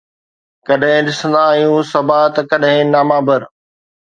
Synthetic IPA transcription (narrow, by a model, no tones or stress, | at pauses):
kɐɗɦɪ̃ɗɪsə̃nd̪aːɦjũːsɐbaːt̪kɐɗɦɪ̃naːmãːbəɾ